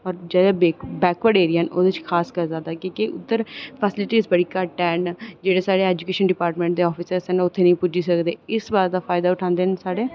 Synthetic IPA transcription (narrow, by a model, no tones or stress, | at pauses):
ɔːɾd͡ʒɛːd̪ebeːbɛːkʋəɖeːɾiɦəno̰ːd̪et͡ʃkʰaːskəɾzaːd̪aːkĩːkeʔʊ̰t̪ːəɾpʰəsɪlɪʈiːzbəɽiːkəʈɛːnd͡ʒeːɽeːsaːɽeːɛːd͡ʒukeːʃənɖɪpaːɾʈmẽːɳʈ̚d̪eːɔːpʰisəsɦənʊt̪ʰːeːnəĩːpʊd͡ʒiːsəkd̪eːɪsbaːɾeːd̪aːfʰaːɪd̪aːʊʈʰãːnd̪eːnsaːɽeː